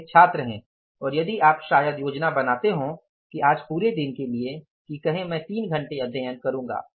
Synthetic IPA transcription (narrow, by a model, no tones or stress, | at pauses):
t͡ʃʰaːt̪ɾəɦẽː | ɔːɾjɐd̪iaːpʃaːjəd̪joːd͡ʒnabɐnaːt̪eɦũ | kiaːd͡ʒpuːɾed̪ɪnkelie | kikɐɦẽmɛ̃ːt̪iːnɡʱɐ̃ɳʈeɐd̪ʱjəjənkɐɾũːŋɡa̰ː